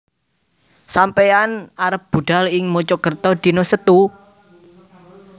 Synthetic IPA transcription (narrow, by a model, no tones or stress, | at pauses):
sampeanaɾəp̚b̥ṳɖ̥a̤lɪŋmot͡ʃɔɡərt̪ɔd̪̥i̤nosət̪u